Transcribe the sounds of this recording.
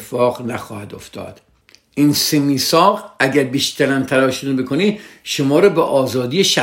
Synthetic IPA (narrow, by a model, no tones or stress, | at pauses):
efɒːʁnæxɒːhæd̪oft̪ɒ̰ːd̪̥ | ʔinsemiːsɒːɣæɟæɾbiːʃt̪ʰæɾænt̪ʰæɾɒːʃonebekʰoniːd̪ʃomɒːɾɒːbeʔɒːzɒːd̪iːjeʃæ